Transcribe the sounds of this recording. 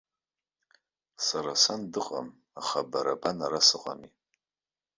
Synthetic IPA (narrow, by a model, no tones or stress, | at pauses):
saɾasandɨqʼa̰m | aχabaɾabanaɾasɨqʼa̰mi